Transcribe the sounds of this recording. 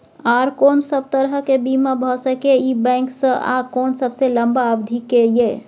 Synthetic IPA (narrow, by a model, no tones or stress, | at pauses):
aɾkonsəb̚t̪əɾɦəkebimabʱɔsəkeibɛɪŋksə̃ʔa̰konsəbsẽləmbaəbd̪ʱikeje